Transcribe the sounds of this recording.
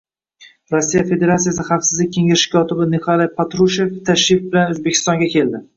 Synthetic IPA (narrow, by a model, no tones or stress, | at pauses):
ɾosːijafe̞d̪e̞ɾat̪sijas̬ɪχafsɪzlɪk̚ʲʰːe̞ŋɪʃɪ̥kʰʲɒt̪ʰɪbɪnɪkʰalˠapʰat̪ɾuʃeft̪ʰaʃifbɪlanozbekʲʰɪ̥st̪ɒŋɡʲakʲe̞ld̪ɪ